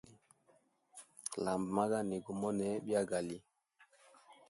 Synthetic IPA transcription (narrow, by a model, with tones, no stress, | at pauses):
la˨mbma˦ɡa˦ni˨ɡu˨mɔ˦nɛ˨ɓi˦a˦ɡa˨li˦